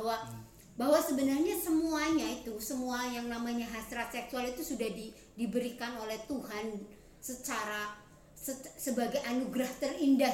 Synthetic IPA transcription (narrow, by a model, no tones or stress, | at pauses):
wa | baɦwasəbənarɲasəmuaɲait̪usəmuajaŋnamaɲaɦasɾat̪̚sɛksualit̪usudahdi | dibəɾikanolɛht̪uhan | sət͡ʃaɾa | əsəbaɡajʔanuɡɾaht̪ərinda